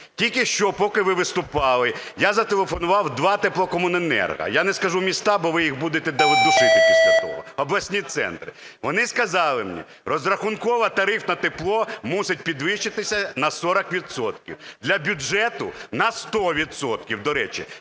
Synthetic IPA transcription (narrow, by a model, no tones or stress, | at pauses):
tʲilʲkɪʃt͡ʃɔpɔkɪʋɪʋɪst̪ʊpɑlˠɪ | jazɐt̪elˠefɔnʊʋɑwd̪ʋɑt̪eplˠɔkɔmʊnenɛ̰rɦɐ̰janɛskɐʒumʲist̪ɑbɔʋɪjiɣbud̪et̪ɛd̪ɐʋɪd̪ʊsɪt̪ʲɪiɐt̪ɔ̰ɔ̰ɔblˠɐsʲnʲit̪sɛ̰nt̪ɾɪ | ʋɔnɪskɐzɑlˠɪmnʲḭ | rɔzrɐxʊnkɔʋɐt̪ɐɾɪfnɐt̪eplˠɔmusʲɪt̚ʲpʲid̪ʋɪʃt͡ʃɪt̪ɪsʲɐnɐsɔɾɐkʋʲid̪sɔt̪kʲḭwd̪lʲɐbʲʊʒɛt̪ʊnɐst̪ɔʋʲid̪sɔt̪̚kʲiwd̪ɔɾɛt͡ʃḭ